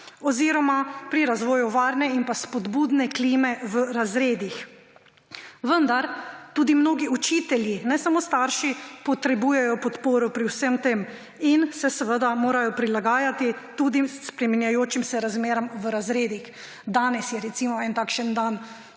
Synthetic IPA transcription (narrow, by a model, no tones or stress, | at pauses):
ɔziɾɔmapɾiɾazʋɔːjuʋaːɾnɛinpaspɔd̪buːd̪nɛkliːmɛʋəɾazɾeːd̪ix | ʋənd̪aɾt̪uːd̪imnoːɡiut͡ʃiːt̪ɛljinɛsamoːst̪aɾʃipɔt̪ɾɛbuːjɛjɔpɔt̪poːɾɔpɾiwsəmt̪em | insɛsɛʋəd̪amoːɾajɔpɾilaɡaːjat̪it̪uːd̪ispɾɛminjajoːt͡ʃimsɛɾazmeːɾɔmʋəɾazɾeːd̪ix | d̪aːnɛsjɛɾɛt̪simɔɛnt̪aːkʃənd̪an